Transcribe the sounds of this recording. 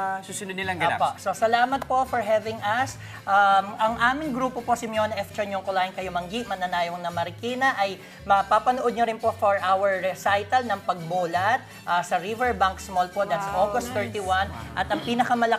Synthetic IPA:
susɪnod̪nɪlɐŋɡopososɐlaːmɐt̪̚po̞ʔfɔɹɦɛvɪŋʔɐs | ʔamʔɐŋʔaːmɪŋɡɾuːpopo̞sɪmjonɐʔɛft͡ʃɐɲoŋkʊlaːhɪnkɐjomɐŋɡiʔmɐnɐnaːjoŋnɐmɐɾɪkiːnɐʔɐj | mɐpapɐnoʔod̪̚ɲoɾɪnpo̞foɹʔawɛɹːɛsajt̪ɐlnɐŋpɐɡ̚boːlɐt̪̚ | ʔasɐɾivɛɹbaŋksmolpod̪ɐt̪sɐʔoːɡost̪ːɛɹt̪iwanʔɐt̪ɐŋpiːnɐkɐmɐlɐ

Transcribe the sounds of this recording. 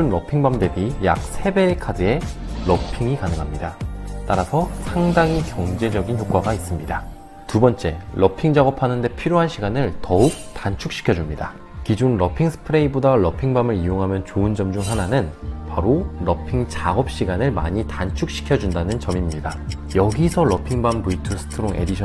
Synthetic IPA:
unɾʌpʰiŋbamde̞bijak̚sʰe̞be̞kʰadɯe̞ɾʌpʰiŋikanɯŋɦamɲidat͈aɾasʰʌsʰaŋdaŋikjʌŋd͡ʑe̞d͡ʑʌɡinçjok͈waɡais͈ɯmɲida | tubʌnt͡ɕ͈e̞lʔʌpʰiŋd͡ʑaɡʌpʰanɯnde̞pʰiɾjoɦanɕʰiɡanɯɭtʌuk̚tant͡ɕʰuk̚ɕ͈i̥kʰjʌd͡ʑumɲida | kid͡ʑunɾʌpʰiŋsʰɯ̥pʰɯɾeibodaɭʌpʰiŋbamɯɾijoŋɦamjʌnt͡ɕoɯnd͡ʑʌmd͡ʑuŋɦananɯnpaɾoɾʌpʰiŋt͡ɕaɡʌp̚ɕ͈iɡanɯɭma̰ɲitant͡ɕʰuk̚ɕ͈i̥kʰjʌd͡ʑundanɯnt͡ɕʌmimɲida | jʌɡisʰʌɾʌpʰiŋbambuitʰɯsʰɯ̥tʰɯɾoŋʔe̞̰diɕʰ

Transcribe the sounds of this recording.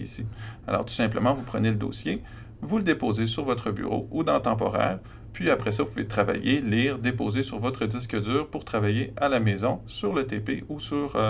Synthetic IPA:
ḭsia̰lɔ̰ːʁt̪u̥sɛ̃pləmɑ̃vupχəneləd̪o̰ːsje | vuləd̪epoːzesyʁvɔt̪χəby̰ʁo̰ud̪ɑ̃t̪ɑ̃pɔ̰ʁɛ̰ːʁ | pɥiapʁɛsʌvupuvḛt̪χava̰jeliːʁd̪epoːzesyʁvɔt̪χəd̪ɪs̬kəd̪yːʁpuʁt̪χavajealamɛzɔ̃syʁlət̪epeusyʁ

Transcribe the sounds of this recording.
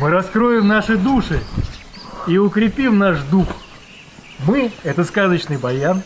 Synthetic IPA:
mɨɾɐskɾo̞jɪmnaʂɨd̪uʂɨ | iʊkɾʲɪpʲimnaʂd̪ux | mɨɛt̪əskazət͡ɕnɨjbɐjan

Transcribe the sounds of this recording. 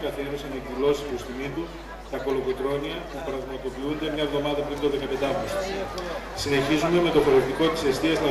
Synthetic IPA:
kɐθieɾosɐnekilo̞si̥st̪ust̪imit̪u | t̪ɐko̞lo̞ɣok̪ɾo̞niɐpupɾɐɣmɐt̪o̞piund̪e̞mɲɐvðo̞mɐðɐpɾint̪o̞ðe̞kɐpe̞d̪ɐmos | sine̞çizume̞me̞t̪o̞foɾeft̪iko̞t̪i̥se̞st̪iɐznɐ

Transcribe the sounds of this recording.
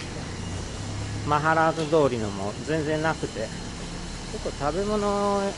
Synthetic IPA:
maɦaɾazɨd̪o̞ːɾʲinomo̞̰zẽ̞nd͡zẽ̞nnakɯ̟t̪e̞ | sot̪ːot̪abe̞mo̞no

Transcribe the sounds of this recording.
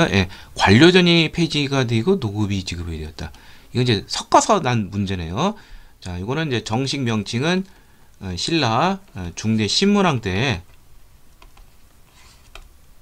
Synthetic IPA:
jʔe̞kwaʎːod͡ʑʌɲipʰe̞d͡ʑiɡadeiɡonoɡɯbit͡ɕiɡɯbedejʌt̚t͈aiɡʌiɲd͡ʑe̞sʰʌk̚k͈ʌsʰʌnanmund͡ʑe̞nejot͡ɕajoɡʌnɯnid͡ʑe̞t͡ɕʌŋɕʰikmjʌŋt͡ɕʰiŋɯn | ɯɕʰiɭːat͡ɕuŋde̞ɕʰimmuɾɦaŋt͈e̞

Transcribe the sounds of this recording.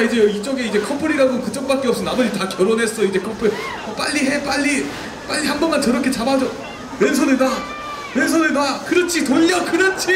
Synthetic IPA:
id͡ʑe̞it͡ɕ͈oʌɡeid͡ʑe̞kʰʌmpʰoɾiɾaɡokɯt͡ɕ͈ʌk̚p͈ak͈eʌp̚s͈ʌnaboɾitakjʌɾonɦe̞s͈ʌid͡ʑe̞kʰʌmpʰoɾ | ʌp͈a̰ʎːiɦe̞p͈aʎːi | p͈aʎːihambʌnmant͡ɕʌɾʌkʰe̞t͡ɕabad͡ʑo | wens̬ʰʌneda | wens̬ʰʌdedakɯɾʌt͡ɕʰitoʎːʌkɯɾʌt͡ɕʰi

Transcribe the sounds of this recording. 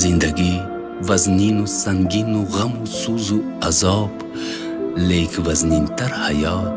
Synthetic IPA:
zind̪ɐɡi | vɐzninusɐŋɡinuɣɐmusuzu | ɐzɑːb | lekvɐznint̪ɐɾhɐjɑː

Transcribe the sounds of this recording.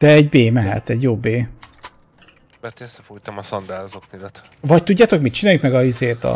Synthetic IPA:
d̪̥ɛɛɟbeːmɛɦɛ̰t̪ɛɟjoːbeː | bɛt̪sːɛfut̪ɒmɒsɔnd̪aːlzoknid̪ɛt̪ | vɒc̚t̪uɟːaːt̪o̞kmit̪t͡ʃinaːjuŋkmɛɡɒizeːt̪ɒ̰

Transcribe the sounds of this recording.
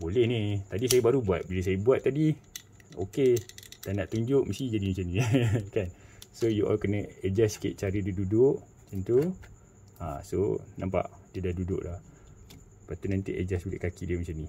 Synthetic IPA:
bolɛhnit̪adis̬ajəbaɾubuat̪̚biləs̬ajəbuat̪ːadi | o̰ket̪anaʔt̪uɲd͡ʒʊʔməst̪id͡ʒadimət͡ʃanĩkansojuʔɔ̰lkənəəd͡ʒaskɪ̰ʔ̪̚t͡ʃaɾədiədudʊʔ | t͡ʃənt̪u | ã̰so̰nampa̰ʔdiədadudʊ̰ʔla̰h | pat̪unant̪ḭʔə̰d͡ʒasbulḛʔkakidiəmət͡ʃanĩ

